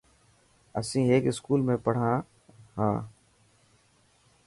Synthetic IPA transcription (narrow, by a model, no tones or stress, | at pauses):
ə̰sĩːeːkɪskuːlmẽːpəɽ̤ãː | hãː